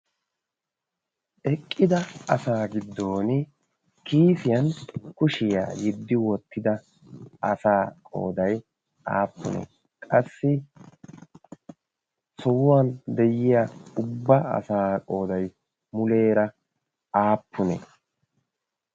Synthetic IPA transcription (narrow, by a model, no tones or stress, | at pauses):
ʔɛkʼːɪd̪ɐɐsaːɡɪd̪ːo̞ːn | kiːfɪjɐnkʊʃɪja̰ːjɪd̪ːɪwɔt̪ʰːɪd̪ɐ | ɐsaːkʼo̞̰ːd̪ɐj | ʔa̰ːpːʊ̰nɛ̰ | kʼɐsːɪ | sɔwʊwaːnd̪ɛjɪjaʊbːɐɐ̰saːkʼo̞ːd̪ɐj | mʊle̞ːɾɐ | aːpːʊnɛ̰